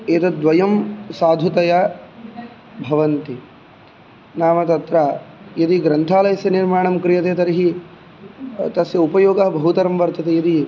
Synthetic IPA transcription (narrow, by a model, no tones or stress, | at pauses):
eːt̪ɐd̪ʋɐjɐmsaːd̪ʱut̪ɐjɐ | bʱɐʋɐnt̪i | naːmɐt̪ɐt̪ɾa | jɐd̪iɡɾɐnt̪ʰaːlɐjɐsjɐniɾmaːɳɐmkɾijɐt̪eːt̪ɐɾiɦi | t̪ɐsʋjɐupɐjoːɡɐɦɐbʱɐɦut̪ɐɾɐmʋɐɾt̪ɐt̪ejɐd̪i